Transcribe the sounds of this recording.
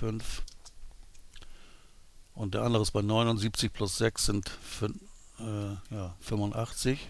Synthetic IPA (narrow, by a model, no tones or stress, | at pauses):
fʏnf | ʔʊnt̚d̥eːɐʔandəʁəɪstb̥aɪnɔʏnʊntz̥iːp̚t͡sɪçpʰlʊsz̥ɛksz̥ɪntf | ɛːjaːfʏmvʊntʔaχt͡sɪç